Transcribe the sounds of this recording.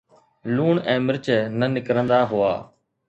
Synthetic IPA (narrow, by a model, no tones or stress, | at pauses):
luːɳɛ̃ːmɪɾt͡ʃənənɪkɾə̃nd̪aːɦʊaː